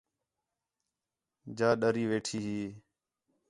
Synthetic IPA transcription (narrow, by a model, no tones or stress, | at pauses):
d͡ʒaːɗəɾiːʋeːʈʰiːɦiː